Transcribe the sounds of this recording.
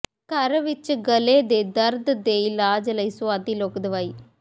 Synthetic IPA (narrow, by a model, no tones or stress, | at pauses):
kɐɾɐʋɪt͡ʃːɐɡɐleːd̪ed̪ɐɾd̪ɨd̪ejlaːd͡ʒɐlɐjsuad̪iloːkd̪ɐʋaj